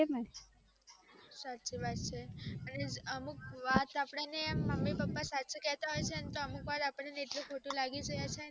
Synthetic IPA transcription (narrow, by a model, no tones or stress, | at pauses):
eme | sat͡ʃiʋat̪̚t͡ʃʰeəneəmukʋat̪apɽaneməmːipəpːasaːt͡ʃikɛɦt̪aɦojt͡ʃʰeənt̪oəmukʋat̪apəɳ̃neːʈlũkʰoʈũlaɡid͡ʒəjat͡ʃʰe